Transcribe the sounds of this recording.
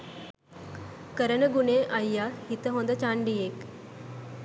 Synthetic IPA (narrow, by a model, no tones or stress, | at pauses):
kəɾəɳəɡuneʔajːahit̪əɦõnd̪ət͡ɕaɳɖiek